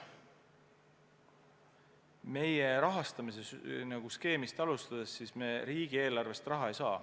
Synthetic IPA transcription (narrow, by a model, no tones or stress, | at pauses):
me̞je̞ɾɑɦɑst̪ɑmise̞snɑɡ̥uske̞ːmist̪ɑlust̪ɑd̪̥esːiːsme̞ːɾiːɡ̥ie̞ːlɑrve̞st̪rɑɦɑe̞jsɑː